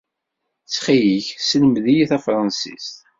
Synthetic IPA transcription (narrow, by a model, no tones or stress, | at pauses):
t͡sːχijiçsələmðijiθæfɾˤɑnsḭst̪